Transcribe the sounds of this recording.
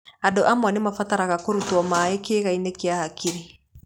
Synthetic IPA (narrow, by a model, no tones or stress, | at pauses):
adoʔamwɔnemafataɾaɣakoɾutwɔmaekeːɣainekjahakiɾi